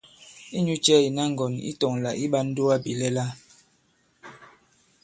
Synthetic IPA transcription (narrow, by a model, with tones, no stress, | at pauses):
i˦ɲu˦t͡ʃɛ˦i˨na˦ŋ̩˨ɡɔ˨nḭ˦tɔ˨ŋla̰˨ʔi˦ɓa˦n̩˦do˦a˦bi˨lɛ˦la˦